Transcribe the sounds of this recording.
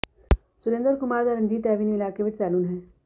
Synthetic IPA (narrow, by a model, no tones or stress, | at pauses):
sʊɾẽːnd̪əɾkʊmaːɾd̪aɾə̃nd͡ʒiːt̪ɛːʋiːniɪlaːkeʋɪt͡ʃsɛːluːnɦɛ̃ː